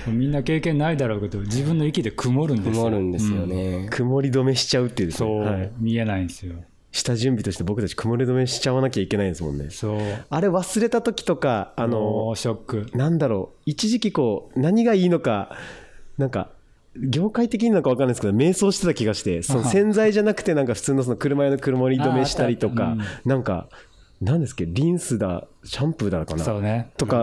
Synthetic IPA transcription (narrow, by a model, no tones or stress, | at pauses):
omʲĩnːake̞ːkẽnːaid̪aɾo̞ːke̞d̪od͡ʑibɯ̟̃nːo̞ikʲid̪ekʰɯmo̞ɾɯ̃nd̪ɯmoɾɯ̟̃nd̪e̞sɨjo̞ne̞kʰɯ̟mo̞ɾʲid̪o̞me̞ɕi̥t͡ɕaɯ̟t̪ːeiɯ̟d̪esoːhaimʲie̞naĩesɨjo | ɕi̥t̪aʑɨ̃mbʲit̪o̞ɕi̥t̪e̞bo̞kɯ̟t̪at͡ɕi̥kɯ̟mo̞ɾʲid̪o̞me̞ɕi̥t͡ɕaβanakʲaikʲe̞naĩd̪esɨmõ̞̰nːe̞̰soːaɾe̞βasɨɾe̞t̪at̪o̞kʲi̥t̪o̞kaːno̞ɕokːɯ̟nãnd̪aɾo̞ːit͡ɕiʑikʲiko̞ːnaɲ̟iɡaiːno̞ka | nãŋka̰ | ɡʲo̞ːkait̪e̞k̬ʲiɲinanokaβakansked̪ome̞ːso̞ːɕi̥t̪et̪akʲiɡaɕi̥t̪e̞̰so̞nosẽ̞nd͡zaiʑanakɯ̟̥t̪e̞nãŋkaɸɯ̥t͡sɨːnosonokɯ̟ɾɯ̟maenokɯ̟ɾɯmaɾʲid̪o̞me̞ɕi̥t̪aɾʲit̪o̞ka̰nãŋka̰ | nãnd̪esɨ̥kːeɾʲĩɰ̃sɨd̪a̰ɕãmpɯɾd̪at̪akanaot̪o̞ka